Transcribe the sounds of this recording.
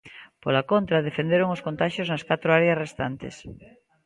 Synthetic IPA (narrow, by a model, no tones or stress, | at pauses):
polakont̪ɾɐðefend̪eɾoŋoskont̪aʃjoznɐskat̪ɾoaɾeɐsrest̪ant̪ḛs